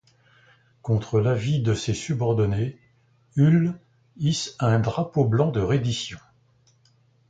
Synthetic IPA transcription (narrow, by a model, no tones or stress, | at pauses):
kɔ̃t̪χəlavid̪əsesybɔʁd̪ɔne | yl | isɛ̃d̪ʁapoblɑ̃d̪əʁed̪isjɔ̃